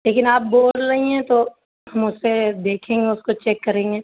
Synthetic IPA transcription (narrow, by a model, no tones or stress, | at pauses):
leːkɪnaːp̚boːlɾɐɦiɦɛ̃t̪o | hɐmʊsːed̪eːkʰẽːŋɡeʊskot͡ʃɛːkːɐɾẽːŋɡeː